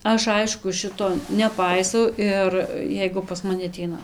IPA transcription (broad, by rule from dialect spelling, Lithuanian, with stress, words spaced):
ˈɐʃ ˈɐɪʃkʊ ˈʃʲɪtoː nʲɛˈpɐɪsɐʊ ˈɪr ˈjɛɪɡʊ pɐs mɐˈnʲɪ ɐˈtʲɛɪnɐ